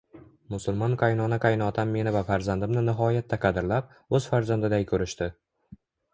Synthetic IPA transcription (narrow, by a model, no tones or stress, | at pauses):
mʊsʊlˠmɒnqʰɑjnɒnaqʰɑjnɒt̪ʰamːe̞nɪvafaɾzand̪ɪmnɪnɪɦɒjat̪ʰːaqʰɑd̪ɪɾlap̚ | ɵz̥faɾzand̪ɪd̪ajkʰɵɾɪʃt̪ɪ